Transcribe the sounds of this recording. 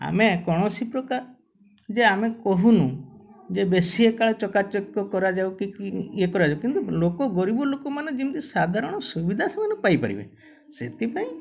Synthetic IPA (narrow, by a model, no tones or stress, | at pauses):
a̰mekɔɽ̃ɔsipɾɔkaɾ | d͡ʒeamekɔɦunud͡ʒebesiekaɭɔt͡ʃɔkat͡ʃɔkjɔkɔɾad͡ʒawkikiekɔɾad͡ʒawkint̪ulokɔɡɔɾibɔlokɔmanẽd͡ʒint̪isad̪ʱaɾɔɽ̃ɔsubid̪ʱasamanɔpajpa̰ɾḭbḛ | set̪ipãĩ